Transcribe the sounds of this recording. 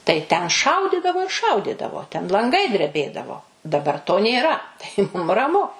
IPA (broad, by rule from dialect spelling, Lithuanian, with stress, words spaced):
tɐɪ tʲɛn ˈʃɐʊdʲɪdɐʋoː ɪr ˈʃɐʊdʲɪdɐʋoː tʲɛn lˠɐŋˈɡɐɪ dʲrʲɛˈbʲeːdɐʋoː dɐˈbɐr toː nʲeːˈrɐ tɐɪ ˈmʊm rɐˈmʊ